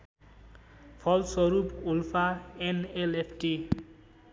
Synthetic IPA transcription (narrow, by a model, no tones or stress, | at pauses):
pʰɔlsɔɾupulfʰaenelepʰʈi